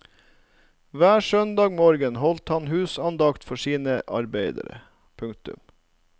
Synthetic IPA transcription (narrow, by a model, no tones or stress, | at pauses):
ʋæːʃœnd̪ɑːɡmoːɾɡənhɔlt̪hɑnhʉːsɑnd̪ɑkt̪fɔʂiːnəʔɑ̰ɾbeɪd̪ə̰ɾə̰ | pʰʉŋk̚t̪ʉ̰m